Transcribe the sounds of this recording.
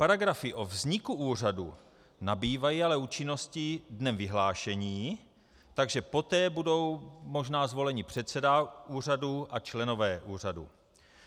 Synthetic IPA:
paɾaɡɾafɪʔovzɲɪkuuːr̝adṵ | nabiːvajiːalɛuːt͡ʃɪnːo̞scidnɛmvɪɦlaːʃɛɲiː | t̪aɡʒɛpo̞t̪ɛːbudo̞wmo̞ʒnaːzvo̞lɛɲɪpr̥ɛt̪sɛdaʔuːr̝aduʔat͡ʃlɛno̞vɛːʔuːr̝adṵ

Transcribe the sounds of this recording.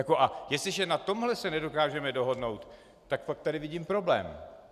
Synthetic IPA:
jako̞ʔajɛst̪lɪʒɛnat̪o̞mɦlɛsɛnɛdo̞kaːʒɛmɛdo̞ɦo̞dno̞wt̪ː | akfak̚t̪adɪvɪɟiːmpɾo̞blɛ̰ːm

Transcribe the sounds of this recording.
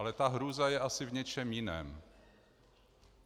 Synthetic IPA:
lɛt̪aɦɾuːzajɛʔasɪvɲɛt͡ʃɛmjɪnɛ̰ːm

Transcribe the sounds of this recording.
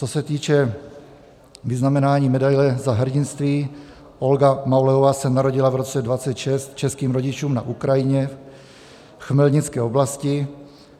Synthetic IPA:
t͡sosɛt̪iːt͡ʃɛ | viznamɛnaːɲiːmɛdajlɛzaɦr̩ɟɪnst̪viː | olɡamawlɛovaːsɛnaɾoɟɪlavɾot͡sɛdvat͡sɛt̪ʃɛst̪t͡ʃɛskiːmɾoɟɪt͡ʃuːmna̰ʔukɾajɪɲɛ | xmɛlɲɪt͡skɛːoblascɪ

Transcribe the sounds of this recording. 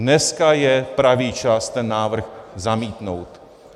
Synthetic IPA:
nɛskajɛpɾaviːt͡ʃast̪ɛnːaːvr̩xzamiːt̪nowt̪

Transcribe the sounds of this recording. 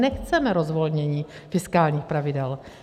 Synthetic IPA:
nɛxt͡sɛmɛɾozvo̞lɲɛɲiː | fɪskaːlɲiːxpɾavɪdɛl

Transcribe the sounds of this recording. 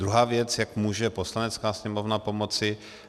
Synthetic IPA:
ɾuɦaːvjɛt͡sjakmuːʒɛpo̞slanɛt͡skaːsɲɛmovnapo̞mo̞t͡sɪ

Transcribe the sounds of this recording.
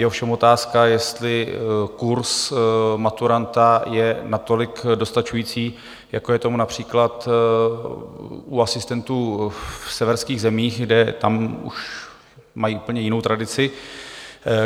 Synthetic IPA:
jɛofʃɛmo̞t̪aːskajɛst̪lɪkuɾsmat̪uɾant̪ajɛnat̪o̞lɪkdo̞st̪at͡ʃujiːt͡siː | jakojɛt̪o̞munapr̝̥iːklat̪ | ʔuasɪst̪ɛnt̪uːfsɛvɛɾskiːɣzɛmiːxɡdɛt̪amṵʃ | majiːʔupl̩ɲɛjɪno̞wt̪ɾadɪt͡sɪ

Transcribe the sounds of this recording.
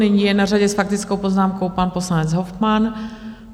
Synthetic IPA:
ɛɲijɛnaraɟɛsfak̚t̪ɪt͡skowpoznaːmkowpanposlanɛd͡zɦofman

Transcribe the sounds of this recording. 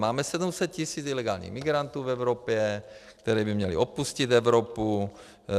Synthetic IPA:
maːmɛsɛd̪umsɛt̪̚cisiːt͡silɛɡaːlɲḭɣmiɡɾant̪uːvɛwɾopjɛkt̪ɛɾɛːbimɲɛlḭopuscit̪ɛʋɾopu

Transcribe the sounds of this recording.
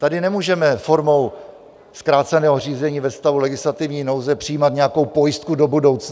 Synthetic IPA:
t̪adɪnɛmuːʒɛmɛfo̞ɾmo̞w | skɾaːt̪t͡sɛnɛːɦoriːzɛɲiːvɛst̪avulɛɡɪslat̪ɪvɲiːno̞wzɛpr̥ɪjiːmat̪ɲɛjako̞wpo̞jɪst̪kudo̞budo̞wt͡s

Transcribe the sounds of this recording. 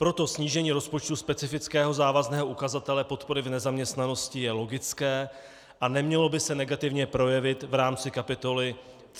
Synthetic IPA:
pɾo̞t̪o̞sɲiːʒɛɲiːɾo̞spo̞t͡ʃt̪uspɛt͡sɪfɪt͡skɛːɦo̞zaːvaznɛːɦoʔukazat̪ɛlɛpo̞t̪po̞ɾɪvnɛzamɲɛst̪nano̞scɪjɛlo̞ɡɪt͡skɛː | ʔanɛmɲɛlo̞bɪsɛnɛɡat̪ɪvɲɛpɾo̞jɛvɪt̪vɾaːmt͡sɪkapɪt̪o̞lɪ

